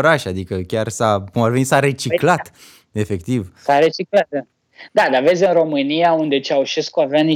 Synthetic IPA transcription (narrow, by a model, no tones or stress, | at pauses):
ɾaʃad̪ikəkʲarsakumavenisaɾe̞t͡ʃiklat̪ | e̞fe̞kt̪ivsaɾet͡ʃiklat̪̚a | d̪ad̪ave̞t̪sʲɨnro̞mɨnijaund̪e̞t͡ʃeauʃeskuaveani